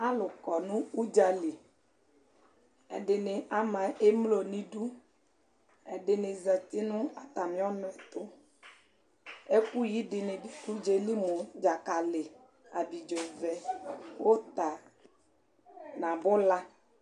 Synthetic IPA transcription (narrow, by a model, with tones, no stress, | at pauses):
a˦lʊ˨kɔ˨nũ˦u˦d͡ʒa˨li˨ | ɛ̰˨dɪ˨nɪ˨a˦mã˨e˦mlo˨nĩ˨ɖu˦ | ɛ˨ɖɪ˨nɪ˨zɛ˨t̪ɪ˦nʊ̃˦a˨t̪a˨mĩ˦ɔ˦nʊ̃˨˦ɛ˨t̪ʊ˦ | e˦ku˦ji˨˦dɪ˨nɪ˨bi˨ku˦d͡ʒe˨li˦mo˨d͡ʒa˨ka˨lɪ˨ | a˨bi˨d͡ʒɔ˨vɛ˨wo˦t̪a˨ | nã˨bʊ˦la˦